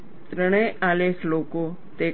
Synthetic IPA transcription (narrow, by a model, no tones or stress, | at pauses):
t̪ɾəɽ̃ẽʔaːleːkloːko | t̪e